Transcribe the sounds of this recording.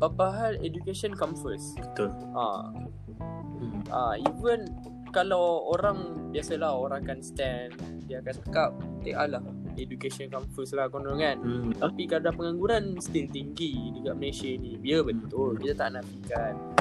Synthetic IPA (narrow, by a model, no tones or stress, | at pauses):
papaɦaledukesɔnkamfəsbət̪ʊl | ʔa̰ | ʔaivən | kalawoɾaŋbiasalahoɾãŋkanst̪ɛn | diaakant̪əkap̚t̪eʔalah | edukesɔnkamfəslakonoŋant̪apikaɾdapəŋaŋɡuɾanst̪ilt̪iŋɡid͡ʒuɡaʔməlesiənĩbiabət̪ʊlkit̪at̪aʔnaʔbikan